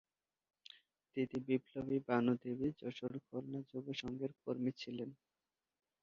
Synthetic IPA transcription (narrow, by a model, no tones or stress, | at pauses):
t̪it̪ibiblobibanud̪ebid͡ʑɔʃoɾkʰoɾnad͡ʑoɡeʃɔŋɡeɾkoɾmit͡ɕʰilen